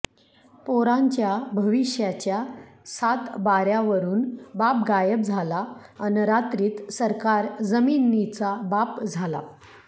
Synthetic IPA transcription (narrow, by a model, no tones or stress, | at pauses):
poɾãɲt͡ɕjabʱəʋiʂjat͡ɕja | sat̪baɾjaʋəɾuːnbap̚ɡajəb̚d͡zʱalaənəɾat̪ɾiːt̪səɾkaɾd͡zəminːit͡sabapd͡zʱala̰